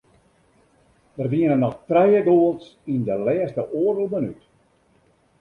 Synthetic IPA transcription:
dərʋiənənɔxtrɛjəɡoːəlˠsindəlɛəstəʔoərdəlˠbənyt

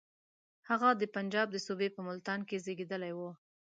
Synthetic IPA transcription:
haɣad̪əpand͡ʒɑb̚d̪əsubepəmʊlt̪ɑnkezeɡed̪əlajwo

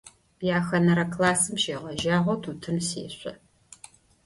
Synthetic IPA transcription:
jaːxɐnɐɾɐklaːsɨmʃeːʁɐʒaːʁʷɔtʰuːtʰɨnsḛːɕʷʼɐ

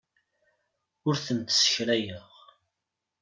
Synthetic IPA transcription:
ʊɾθənt̪sə̥çɾæjəʁ

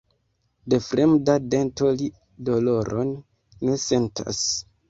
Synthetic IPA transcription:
de̞fɾe̞mdade̞nto̞li | do̞lo̞ɾonː | e̞se̞nta̰s

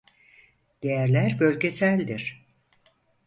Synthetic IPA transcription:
d̪̥ejæɾlʲæɾbø̞lʲɟesælʲd̪iɾ̥

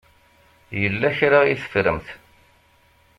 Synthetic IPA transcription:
jəlːæçɾaiθə̥fɾəmθ

